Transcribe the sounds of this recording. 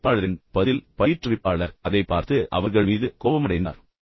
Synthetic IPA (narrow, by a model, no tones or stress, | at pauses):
pːaːɭɐɾɪnpɐðɪlpɐjɪʈrɯʋɪpːaːɭɐɾɐðɐɪpːaːɾt̪ɯʔɐ̰ʋɐɾɣɐɭmiːðɯkoːʋɐmɐɽɐɪnd̪a̰ːɾ